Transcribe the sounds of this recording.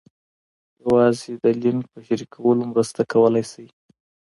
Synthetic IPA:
jawɑzed̪əlinpəʃaɾikʰawəlomɾəst̪akawəlajsaj

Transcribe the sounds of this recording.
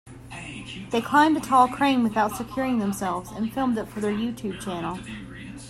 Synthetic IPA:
ðeɪkʰl̥ãɪ̃mdɨtʰɔlˠkʰɹ̥ẽɪ̃nwɨθaʊtsɨkʰj̥ʊɹɪ̃ŋðə̃msɛlˠvz̥ɨ̰̃nfɪlˠmdɨtfə˞ðə˞jʉtʰʉb̚t͡ʃʰænl̩ˠ

